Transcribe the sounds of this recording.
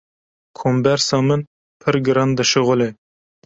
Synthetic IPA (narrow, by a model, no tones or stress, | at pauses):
kʰombæɾsɑmɨn | pʰɨɾɡɨɾɑnd̪ɨʃɨʁʊlˠɪ